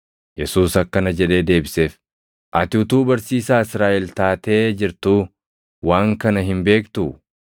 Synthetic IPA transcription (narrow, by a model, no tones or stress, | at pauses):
jɛsuːsɐkːɐnɐd͡ʒɛᶑe̞ːd̪e̞ːbɪseːf | ʔɐt̪ɪʊt̪uːbɐɾsiːsaːɪsɾaːʔɛlt̪aːt̪e̞ːd͡ʒɪɾt̪u | waːŋkɐnɐɦɪmbe̞ːkt̪u